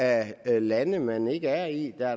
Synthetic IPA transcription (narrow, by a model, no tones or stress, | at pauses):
ælænəmene̝ɡ̥əæɐid̥æ